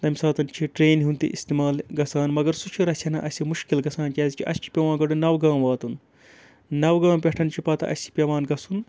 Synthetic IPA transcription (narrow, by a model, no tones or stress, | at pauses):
t̪ɐmisaːt̪ɐnt͡ʃʰiʈɾeːnɦunt̪ḭʔist̪imaːlɡɐsaːnmɐɡɐɾsut͡ʃʰiɾɐsʲʰɐnɐʔɐsʲimuʃkilɡɐsaːnt͡ʃʲɐːzʲikʰiʔɐst͡ʃʰi̥pʲɐʋãːnɡɐɖunɐwɡãːmʋaːt̪un | nɐwɡãːmpʲeʈʰɐnt͡ʃʰipɐt̪ɐ̰ʔɐsʲt͡ʃʰi̥pʲɐʋãːnɡɐsun